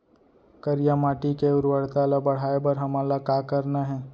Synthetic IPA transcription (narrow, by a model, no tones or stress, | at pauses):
kəɾijamaːʈikeʊɾwəɽt̪alabɐɽ̤aːebəɾɦɐmaːlakaːkəɾnaɦɛː